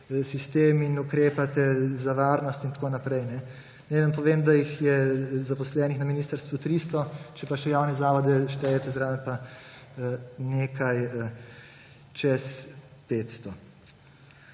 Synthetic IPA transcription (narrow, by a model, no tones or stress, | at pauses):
sist̪eːminukɾeːpat̪ɛzaʋaːɾnɔst̪int̪ḁkoːnapɾɛjnɛ | nɛlampɔʋeːmd̪ajixjɛzapɔslɛːnixnaminiːst̪əɾst̪ʋut̪ɾist̪ɔt͡ʃɛpaʃɛjaːwnɛzaːʋɔd̪ɛʃt̪ɛːjɛt̪ɛzɾaːmɛpa | neːkʰaj | t͡ʃɛspeːt̪st̪ɔ